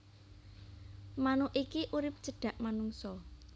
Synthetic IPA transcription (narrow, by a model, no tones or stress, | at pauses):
manoʔikiʔuɾɪp̚d̥ʒ̥ə̤ɖ̥ä̤ʔmanuŋsɔ